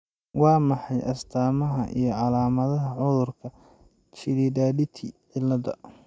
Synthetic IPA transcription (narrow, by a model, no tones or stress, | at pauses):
wɑːmɑħɑjʔɐst̪ʰaːmɐɦɐʔḭjɞʕɑlaːmɐðɐɦɐʕʊðʊrkʰɐ | t͡ʃʰɪlidaːdɪt̪ʰiʕɪlːɐðɐ̰